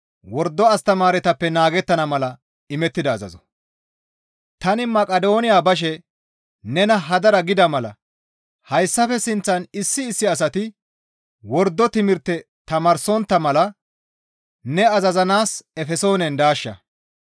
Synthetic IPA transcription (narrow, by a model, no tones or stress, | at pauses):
wɔɾd̪ːɔɐst̪ɐmaːɾɛt̪ɐpːɛnaːɡɛt̪ːɐnɐmɐlɐ | ɪmɛt̪ːɪd̪ɐːzɐ̰zɔ | t̪ɐnɪmɐkʼɐd̪o̞ːnɪjaːbɐʃ̬ɛ | nɛnɐɦɐd̪ɐɾɐɡɪd̪ɐmɐlɐ̰ | hɐjsːɐfɛsɪnt͡sːɐnɪsːɪːsːɪɐs̬ɐt̪ɪ | wɔɾd̪ːɔt̪ɪmɪɾt̪ːɛ | t̪ɐmɐɾsɔnt̪ːɐmɐlɐ | nɛɐzɐzɐnaːsɛfɛso̞ːnɛnd̪aːʃːɐ̰